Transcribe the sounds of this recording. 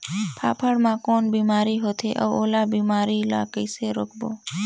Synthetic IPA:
pʰa̰ːpʰəɽmãkoːnbimaːɾiɦot̪ʰeʔə̰ʋolabimaɾila̰kəjseɾokʰbo

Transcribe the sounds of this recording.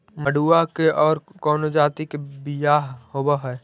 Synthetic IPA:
məɖuːakeʔɔːɾkɔːnod͡ʒaːt̪ikebijaːɦhoːbaɦɛː

